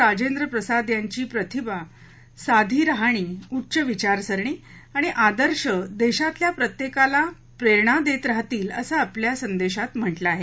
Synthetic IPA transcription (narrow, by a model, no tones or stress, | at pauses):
ɾad͡ʑend̪ɾəpɾəsad̪jaɲt͡ɕiːpɾət̪ʰiba | sad̪ʱiːɾəɦaɽ̃iːutːɕəʋit͡ɕaɾsəɾɳ̃iː | aɽ̃iʔad̪əɾɕəd̪eɕat̪ljapɾət̪jekala | pɾeɾɳ̃ad̪et̪ɾaɦt̪iːləsaapljasənd̪eɕat̪m̤əʈlaaːɦe